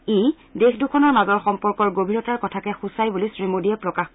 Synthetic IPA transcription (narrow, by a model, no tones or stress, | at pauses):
ej | dexdukʰɔnɔɹmazɔɹxɔmpɔɹkɔɹɡobʱiɹɔtaɹkɔtʰakɛxusajbulisɹimodiɛpɹɔkax